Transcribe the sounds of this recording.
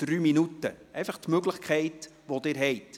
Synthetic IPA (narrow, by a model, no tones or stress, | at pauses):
d̥ɾyːminutə̰ʔɛɪfəχtmøɡləχkʰɛɪt | ʋod̪ɪːɾɦɛɪt